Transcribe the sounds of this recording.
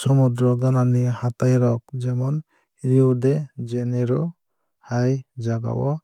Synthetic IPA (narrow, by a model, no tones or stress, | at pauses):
sɔmud̪ɾɔɡananihat̪ajɾɔk̚d͡ʒɛmɔn | ɾiudɛd͡ʒɛnɛɾɔ | hajd͡ʒaɡa̰wɔ̰